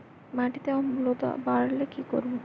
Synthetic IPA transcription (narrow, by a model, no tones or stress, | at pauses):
maʈit̪eaamlot̪a̰baɾalekikoɾbo